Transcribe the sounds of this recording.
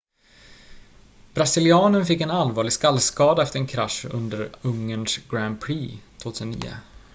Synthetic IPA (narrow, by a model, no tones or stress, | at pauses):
b̥ɾasɪlɪɑːnənfɪkːɛnalvɑːɭɪɡskalːskɑːd̪aɛft̪əɾɛnkʰɾaʂɵ̰nd̪əɾɵŋːənsɡɾand̪̚pʰɾiːt̪ʰv̥oːt̪ʰːsənːḭːə̰